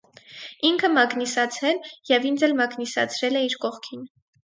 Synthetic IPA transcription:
iŋkʰəmɑknisɑt͡sʰɾɛljɛvind͡zɛlmɑknisɑ̰t͡sʰɾɛlɛiɾkɔχkʰin

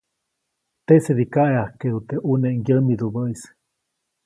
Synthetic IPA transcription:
t̪eʔseðikaʔeahkeðut̪eʔuneʔŋjəmiðuβəis

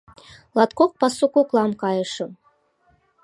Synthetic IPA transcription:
lˠɑt̪kok̚pɑsukuklˠɑmkɑjɤ̆ʃɤ̆

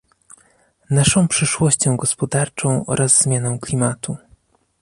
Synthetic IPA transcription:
naʂɔ̃w̃pʂɘʂwɔɕt͡ɕɔ̃w̃ɡɔspɔd̪aɾt͡ʂɔ̃w̃ʔɔ̰ɾʔazzmʲjanɔ̃w̃klʲimat̪u

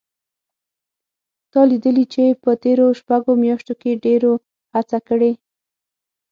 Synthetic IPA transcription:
t̪ɑlid̪əlit͡ʃepət̪eɾoʃpaɡomjɑʃt̪okeɖeɾo | hat͡sakəɽe

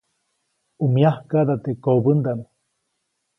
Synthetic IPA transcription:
umiahkad̪at̪ekobənd̪anu

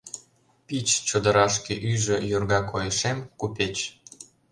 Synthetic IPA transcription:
pit͡ɕt͡ɕod̪ə̆ɾɑʃkeʔyʒə̆jorɣɑkojəʃemkupʲet͡ɕ

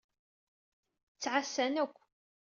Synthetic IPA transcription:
t͡sːʕasːænækʷː

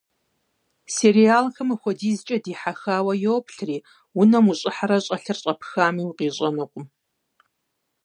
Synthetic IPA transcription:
seːɾijaːlxɨmɨxʷɔdiːzt͡ʃʼɐdiːħaxaːwɐjowpʰɬriː | wʊnɐmuɕʼɪħaɾɐɕʼɐɬɨrɕʼɐpxaːmiːwqiːɕʼɐnɨqʷʊm

